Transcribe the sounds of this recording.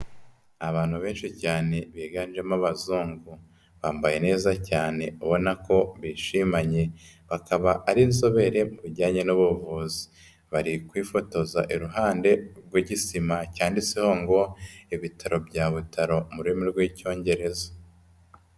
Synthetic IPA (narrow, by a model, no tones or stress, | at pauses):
aβaːn̥huβe̞ːnʃicaːne̞βiːɡanʒemaβazuːŋɡu | βaːmbaje̞ne̞ːzacaːne̞uβo̞nako̞βiːʃimaɲe̞βakaβaʔːɾinzo̞βe̞ɾe̞muβiɟaːɲenuβuvuzi̥ | βaɾikwiːfo̞to̞za̰ʔiɾuɦaːnde̞ɾɡwiɟisimacaːndiseho̞ŋɡo̞iβitʰaɾo̞bɟaːβutʰaɾo̞muɾuemiɾɡwiːco̞ːɲɟe̞ɾe̞za